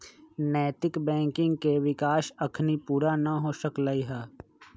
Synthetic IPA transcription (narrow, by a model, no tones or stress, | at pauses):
nɛːt̪ɪkbɛ̃ːŋkɪ̃ŋɡ̚keʋɪkaːʃɐkʰnipuːɾanɐɦoːʃəklaiɦɛː